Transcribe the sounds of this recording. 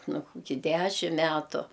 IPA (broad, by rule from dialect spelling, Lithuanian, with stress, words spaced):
ˈnʊ kʊˈkʲiː ˈdʲæʃʲɪm ˈmʲætʊ